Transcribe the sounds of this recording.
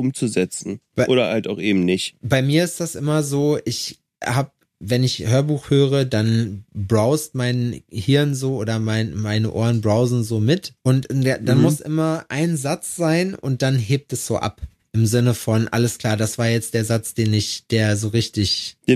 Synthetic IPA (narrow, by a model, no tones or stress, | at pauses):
ʔʊmt͡suzɛt͡sn̩b̥aʔo̰ːɾɐ̰ha̰ltaʊxʔeːbm̩nɪçtb̥aɪmiːɐɪst̚d̥asʔɪmɐzoːʔɪç | haːp̚ | vɛnɪçhøːɐbuːxhøːʁədanbʁaʊstmaɪnhɪɐnzoːʔoːɾɐmaɪnmaɪnəʔo̰ːɐnbʁaʊzn̩zoːmɪtʔʊntad̥anmʊsʔɪ̰mɐʔa̰ɪnzat͡sz̥aɪnʔʊ̰nt̚d̥anɦeːp̚tɛsz̥oːʔa̰p | ʔɪmzɪnəfɔnʔa̰ləskl̥aːɐdasv̥aːɐjɛt͡std̥eːɐzat͡sd̥eːnɪçd̥eːɐzoːʁɪçtɪçd̥eː